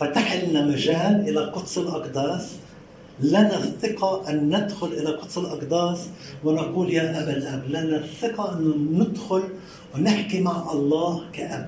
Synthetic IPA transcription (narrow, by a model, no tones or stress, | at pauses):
fat̪aħɪlnamaʒaːlʔɪlaqʊt̪ˤsˤɪlʔɑqd̪ɑːsˤ | lanaθɪqɑʔanːɪd̪xʊlʔɪlaqʊt̪ˤsˤɨlʔɑqd̪ɑːsˤwɪnɑquːljaːʔabalʔablanaθɪqɑʔɪnːʊnɪd̪xʊl | wnɪħkimaʕʔɑlˤːɑːhkaʔa̰b